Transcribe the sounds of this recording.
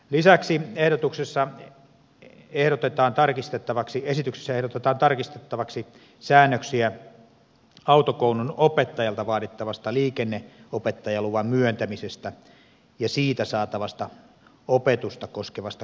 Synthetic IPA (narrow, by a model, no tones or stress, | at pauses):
lisæksiehɾot̪uksesːɑ | ehɾot̪et̪ɑːnt̪ɑrkist̪et̪ːɑʋɑksiesit̪ykse̥sːæehɾot̪et̪ɑːnt̪ɑrkist̪et̪ːɑʋɑksi | sæːnːøksiæ | ɑut̪okoununopet̪ːɑjɑlt̪ɑʋɑːtit̪ːɑʋɑst̪ɑliːkenːeopet̪ːɑjɑluʋɑmmyønt̪æmisest̪æ | jɑsiːt̪æsɑːt̪ɑʋɑst̪ɑ | opet̪ust̪ɑkoskeʋɑst̪ɑ